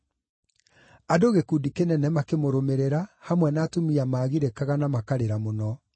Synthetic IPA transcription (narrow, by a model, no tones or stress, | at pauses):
adoɣekudikenɛnɛmakemoɾomeɾeɾahamwɛnaːtumiamaːɣiɾekaɣanamakaɾeɾamonɔ